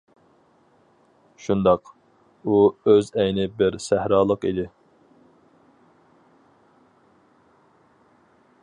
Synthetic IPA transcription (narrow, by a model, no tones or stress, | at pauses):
ʃund̪ɑq | uøzɛjnɪbɪɾsæhɾɑːlˠəqid̪ɪ